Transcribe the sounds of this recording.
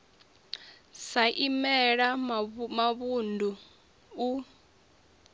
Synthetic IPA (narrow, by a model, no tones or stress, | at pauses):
saʔimɛɺamaβundʱu | u